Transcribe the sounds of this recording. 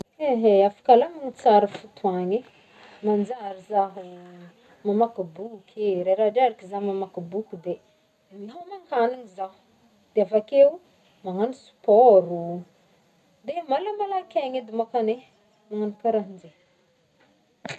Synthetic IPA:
eɦeafḁkalaŋaŋit͡saɾəfut̪uaɲi | mand͡zaɾizaɦu | mamakabukʰeɾaɾaɖ͡ʐaɾikizamamakibukud̪e | iɦamaŋkaninizaɦ | d̪̥eafakeu | maŋanisi̥pɔɾu | d̪emalamalakeŋed̪emakane | maŋanipaɾaɦind͡ze

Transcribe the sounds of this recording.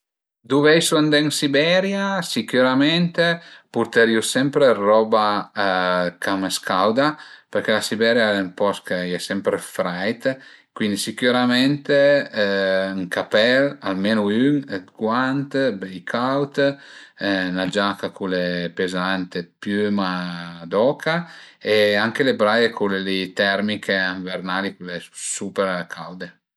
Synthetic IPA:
d̪uvɛjsuand̪ɛŋsibɛɾjasikyɾamɛnt̪epuɾt̪eɾiusɛmpɾerɔba | kameskʰawd̪apeɾkɛlasibɛɾjaeŋpɔskeɛsɛmpɾefɾajt̪kwind̪isikyɾamɛnt̪e | ŋkapɛlalmenoynɡwant̪bejkʰawt̪ | nad͡ʒakakulepezant̪epjymad̪ɔːkʰaeaŋkelebɾajekʰulelit̪ɛrmikʰeaɱvernaːlikuleusupeɾkʰawd̪e

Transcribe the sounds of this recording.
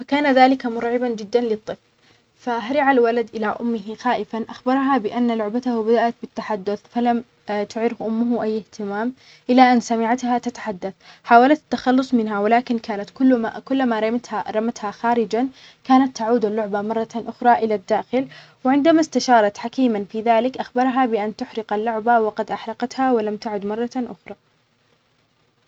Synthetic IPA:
fakaːnaðaːlɪkamʊɾˤʕɪband͡ʒɪd̪ːanlɪt̪ˤːɨfl | faɦaɾɪʕalwalad̪ʔɪlaʔʊ̰mːɪɦɪxaːʔɪfanʔaxbɑɾˤɑɦabɪʔanːalʊʕbat̪ahbad̪aʔat̪̚bɪt̪ːaħad̪ːʊθfalam | t̪ʊʕɪɾhʔʊmːʊɦʔajːɪht̪ɪmaːm | ʔɪlaʔanːsamɪʕat̪hat̪at̪ḁħad̪ːaθħaːwalat̪at̪ːaxɑlːʊsˤmɪnɦawɪlaːkɪnkaːnat̪kʊlːakʊlːmaɾˤɑt̪haɾˤɑmat̪haxaːɾɪd͡ʒan | kaːnat̪ːaʕuːd̪alːʊʕbamɑrˤːɑʔʊxɾˤɑʔɪlad̪ːaːxɪl | wɪʕɪnd̪amast̪aʃɑːɾˤɑt̪ħakiːmanfiːðaːlɪkʔaxbɑɾˤɦabɪʔant̪ʊħɾɪqalːʊʕbawɪqɑd̪ʔaħɾɑqɑt̪hawɪlamt̪aʕʊd̪mɑrˤːɑʔʊ̰xɾˤɑː

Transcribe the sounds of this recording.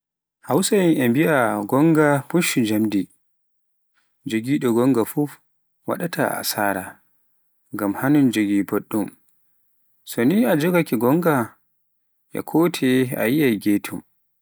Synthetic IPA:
hawsajinʔɛmbiʔaɡɔŋɡapuʃud͡ʒamdi | d͡ʒoɡiɗɔɡɔŋɡafuf | wa̰ɗatʰa̰a̰saːɾa̰ | ŋɡamhanund͡ʒoɡiboɗːum | sɔniad͡ʒɔɡakiɡɔŋɡa | ʔɛ̰kʰɔːtʰɛa̰jiajɡeːtʰum

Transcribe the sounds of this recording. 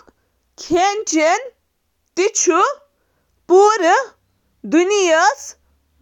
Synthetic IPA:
kʰent͡ʃen | t̪it͡ʃʰu | puɾə | d̪unijəs

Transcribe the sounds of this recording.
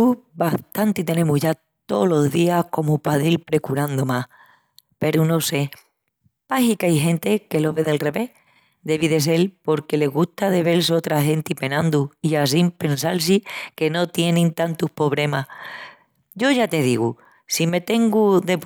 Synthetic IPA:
t̪ubaht̪ant̪it̪e̞ne̞muɦʝa | t̪o̞lo̞ɦðiahko̞mupaðilpɾe̞kuɾand̪omah | pe̞ɾuno̞se̞ | pahikajɦe̞nt̪e̞ke̞lo̞βe̞ðelre̞βe̞h | d̪e̞βiðe̞s̬e̞lpo̞ɾke̞le̞ɣuht̪að̞e̞βe̞ls̬o̞t̪ɾaɦe̞nt̪ipe̞nãnd̪uias̬impe̞ns̬als̬ike̞no̞t̪je̞nĩnt̪ant̪uhpo̞βle̞mah | ɟ͡ʝo̞ʝat̪e̞ð̞iɣu | sime̞t̪e̞ŋɡuðe̞

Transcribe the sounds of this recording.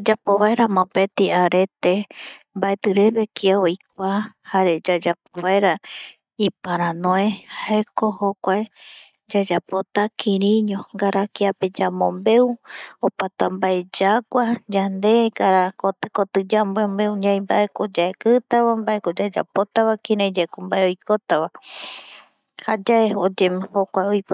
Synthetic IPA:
d͡ʒapoβaeɾamõpe̞t̪iaɾe̞t̪e | mbaet̪ɨɾeβe̞kʰiaojk̚ʷahaɾe̞d͡ʒad͡ʒapoβaeɾa | ipaɾãnõehaekohokʷae | d͡ʒad͡ʒapo̞t̪akʰĩɾĩɲõŋɡaɾakiape̞d͡ʒamõmbe̞uopat̪ambae̞d͡ʒakʷad͡ʒand̪e̞ɡaɾakot̪ɨkot̪ɨd͡ʒambembe̞uɲãjmbaʔe̞kod͡ʒaekɨt̪aβambaʔe̞kod͡ʒad͡ʒa̰po̞t̪aβakĩɾãd͡ʒaekombaeojkot̪aβa | had͡ʒaeod͡ʒehokʷaeojp

